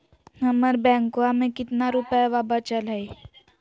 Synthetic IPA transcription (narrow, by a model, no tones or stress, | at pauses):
nəməɾbɛ̃ŋkoamẽkit̪naɾupjʋabat͡ɕalaj